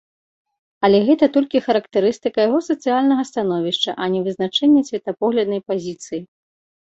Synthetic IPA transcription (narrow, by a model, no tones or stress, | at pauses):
ɐlʲɛɣɛt̪ɐt̪ɔlʲkʲixɐɾɐkt̪ɛɾɨst̪ɨkɐjaɣɔsɐt̪sɨjalʲnɐɣɐst̪anɔvʲiʂt͡ʂɐ̰ʔɐnʲɛvɨznat͡ʂɛnʲːɛsʲvʲɛt̪ɐpɔɣlʲɐd̪nɐjpazʲit̪sɨji